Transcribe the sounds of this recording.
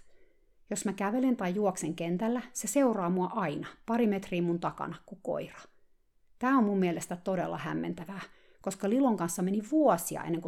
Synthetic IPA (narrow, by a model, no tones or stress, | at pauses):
josmækæʋelent̪ɑijjuokseŋkent̪ælːæseseurɑːmuɑʔɑinɑpɑrimet̪riːmunt̪ɑkɑ̰nɑkuko̰irɑ̥ | t̪æːomːmumːielest̪æt̪odḛlːɑ̰hæ̰mːḛnt̪æʋæː | koskɑliloŋkɑnsːɑmeniʋuɔsiɑ̰ʔḛnːeŋku